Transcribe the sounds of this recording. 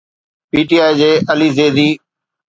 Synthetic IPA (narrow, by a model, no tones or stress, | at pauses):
piːʈiːaːid͡ʑeːʔəliːzeːd̪iː